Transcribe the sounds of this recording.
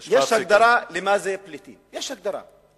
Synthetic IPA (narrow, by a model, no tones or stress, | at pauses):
jaʃakd̪ɑɾˤɑːlɪmaːzajaplɪt̪ḭjaʃak̚d̪ɑɾˤɑ̰ː